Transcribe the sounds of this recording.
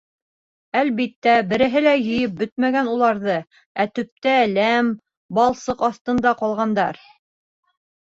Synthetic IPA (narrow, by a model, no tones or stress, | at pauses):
ælβit̪ːæbɘ̆ɾɘ̆ɦɘlæjɘ̆jɘp̚bɵt̪̚mæɡænulˠɑɾðɤ | æt̪ɵ̆p̚t̪ælæm | bɑlˠsɤqɑθt̪ɤ̆nd̪ɑqɑlˠʁɑnd̪ɑ̰ɾ